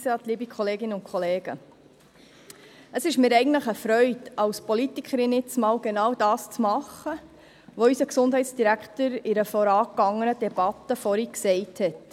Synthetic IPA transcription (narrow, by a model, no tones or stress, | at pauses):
sɑːt̪liːbikʰχɔleːɡɪnəʊnkχɔleːɡ̥ə | əsɪʃmɪːɾɛɪɡən̩tləχəfɾœʏdɑwspɔlitikʰχəɾɪnɪt͡smɑːwɡenɑːwd̥ɑːst͡smɑχə | ʋɔysəksʊndɦɛɪtsd̥iɾækχtəɾɪɾəfɔɾɑːkːɑŋːənəd̥ɛb̥ɑtːəfɔɾiksɛɪthɛt